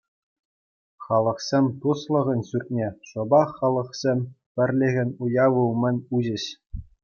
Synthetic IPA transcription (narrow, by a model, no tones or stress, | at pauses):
χɑlˠɤ̆χsʲemʲt̪uslˠɤ̆ʁɤ̆nʲɕyrʲt̪̚ʲnʲeʂɤ̆bɑχːɑlˠɤ̆χsʲemʲ | pʲɘ̆rʲlʲɘ̆ɣʲɘ̆nʲujɑʋulˠmʲɘ̆nʲuʑɘ̆ɕ